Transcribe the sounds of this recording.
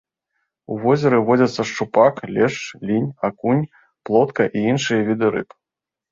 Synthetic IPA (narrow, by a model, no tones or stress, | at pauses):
uvɔzʲɐɾɨvɔd͡zʲɐt̪sːɐʂt͡ʂupaklʲɛʂt͡ʂlʲinʲakunʲ | plˠɔt̪kɐʔiinʂɨjɐvʲid̪ɨɾɨ̰p